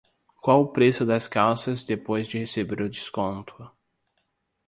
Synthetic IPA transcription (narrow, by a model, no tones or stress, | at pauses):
kwawʊpɾesʊd̪ɐskawsɐzd̪epojzd͡ʒɪhesebeɾʊd͡ʒɪskõnt̪ʰʊ